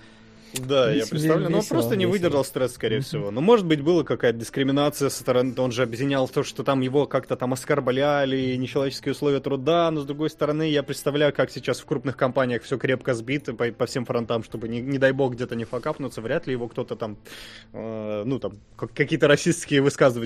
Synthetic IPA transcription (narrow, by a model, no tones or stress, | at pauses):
d̪ajappɾʲɪt̪st̪ɐvlʲɛnopɾo̞st̪ənʲɪvɨdʲɪrʐəlˠst̪ɾɛsːkɐɾʲejəfʲsʲɪvo̞nomo̞ʐɨt̪̚bɨt̚ʲbɨlˠəkɐkajət̪ədʲɪskɾʲɪmʲɪnat̪sɨjəst̪əɾɐno̞nʐɨɐbʲjɪdʲɪnʲalˠt̪oʂt̪ot̪amjɪvo̞kakt̪ət̪amɐskɐrblʲalʲɪnʲɪt͡ɕɪlˠɐvʲet͡ɕɪskʲɪʊslˠovʲɪjət̪ɾʊd̪anozd̪ɾʊɡo̞jst̪əɾɐnɨjapɾʲɪt̪st̪ɐvlʲæjʊkaksʲɪt͡ɕasfkɾupnɨxkɐmpanʲɪjəxfsʲo̞kɾʲe̞pkəzbʲit̪əpəpɐfsʲe̞mfɾɐnt̪amʂt̪o̞bɨnʲɪnʲɪd̪ajbo̞ɣɡdʲet̪ənʲɪfɐkapnʊt̪səvɾʲæt̪lʲɪjɪvo̞kt̪o̞t̪ət̪amənut̪am | kakːɐkʲijət̪əɾɐsʲisʲskʲɪjəvɨskazɨvə